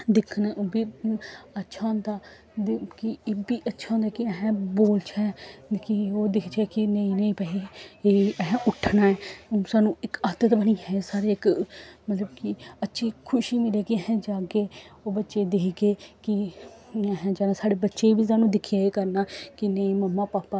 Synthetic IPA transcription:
d̪ɪkʰənɛobiːətːʃʰãːnd̪aː | d̪kɪbiːʔətːʃʰaõnd̪aːkɪɛɦɛ̃ːboːlt͡ʃʰɛːkɪoːd̪ɪkʰt͡ʃʰɛːkɪnəĩːnəĩːpəieːɛɦɛ̃ʔʊʈʰnaːɛːsaːnũːɪkət̪ət̪bəniːɦɛːsaːɾeːɪkmət̪ləbkɪətːʃʰiːkʰʊʃiːmɪleːkiɛɦɛ̃ːd͡ʒaːɡeːoːbətːʃeːd̪eːkɡeːkɪ | əɦɛ̃ːd͡ʒənãːsaːɽeːbətːʃeːʋiːsaːnũːd̪ɪkʰjaːeːkəɾnaːkɪnə̃ĩːməmːãːpaːpːaː

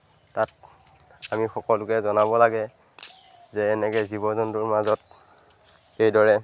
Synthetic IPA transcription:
tat̚ | amixɔkɔlʊkɛzɔnabɔlaɡɛ | zɛːnɛkɛzibɔzɔntʊɹmazɔt̚ | ejdɔɹɛ

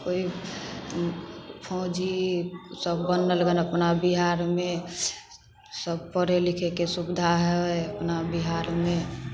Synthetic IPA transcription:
koi | pʰɔ̃ːd͡ʒisəbːənːələɡənəpnabiɦaɾmẽ | səb̚pəɾelikʰekesubɪd̪ʱaɦɛəpnabiɦaɾmẽ

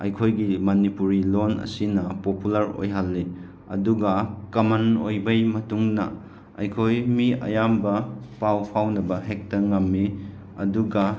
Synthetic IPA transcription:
ɐ̰jkʰojɡimɐnipuɾilonɐ̰sinɐpopulɐɾo̰jɦalːi | ɐ̰duɡɐkɐmɐnojbɐjmɐtuŋnɐ̰ | ɐ̰jkʰojmiɐ̰jambɐpawpʰawnɐbɐɦek̚tɐŋɐmːi | ɐ̰duɡɐ

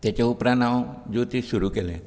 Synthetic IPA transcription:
t̪et͡ɕeupɾanawd͡ʒut̪isuɾukelẽ

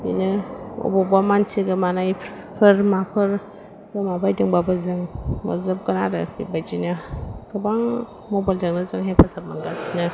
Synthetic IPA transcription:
bḭnɯɔ̰bɔbamant͡ʃʰiɡɯmanaj | pʰɯɾmapʰɯɾ | ɡɯmabajdɯŋbabɯzɯŋma̰zɯp̚ɡɯnaɾɯ̰bḭbajd͡ʒinɯɡ̥ɯbaŋ | mɔbajld͡ʒaŋnɯzɯŋɦepʰasap̚manɡasinɯ

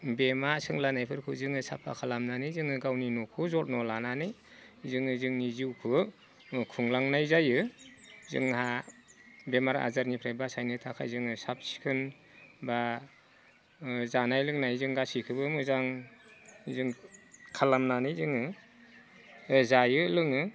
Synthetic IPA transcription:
bemasɯŋlanajpʰɯɾkʰɯzɯŋɯsa̰pʰːa̰kʰalamnanɯzɯŋɯɡawninukʰɯzɔt̚nɔlananɯj | zɯŋɯzɯŋniziwkʰɯ | kʰuŋlaŋnajzajɯ | zɯ̰ŋha | bemaɾa̰zaɾnipʰɾebasajnɯtʰakʰa̰jzɯŋɯsap̚si̥kʰɯn | ba | zanajlɯŋnajzɯŋɡasikʰɯbɯmɯzaŋ | zɯŋkʰalamnanɯjzɯŋɯ | ɯzajɯlɯŋɯ

